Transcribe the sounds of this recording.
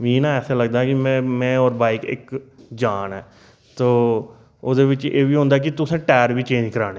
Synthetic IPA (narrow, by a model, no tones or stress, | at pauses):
miːnãːɛːsɛːləɡ̚d̪aːɦkimɛ̃ːmɛ̃ːɔːɾbaːiːkɪ̰kd͡ʒaːnɛː | t̪oː | od̪eːʋɪt͡ʃḛːʋiːɦõːnd̪aːk̬ɪt̪ʊsẽːʈɛːɾbʱiːt͡ʃẽːɲd͡ʒkəɾaːneː